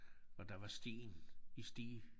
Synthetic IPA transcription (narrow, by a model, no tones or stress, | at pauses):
ɒ̽d̥ɑ̈ʋɑ̈sd̥ḭːnisd̥ḭː